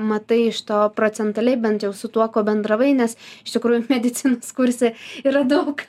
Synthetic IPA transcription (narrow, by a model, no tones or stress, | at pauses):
mɐt̪ɐɪɪʃt̪oːpɾoːt͡s̪ʲɛnt̪ɐlʲɛɪbʲɛnt̪jɛʊsʊt̪uɔkoːbʲɛnd̪ɾɐʋɐɪnʲɛsɪʃt̪ʲɪkɾuːjʊmʲɛd̪ʲɪt̪t͡s̪ʲɪnoːskʊɾʲsʲeːiːɾɐd̪ɐʊk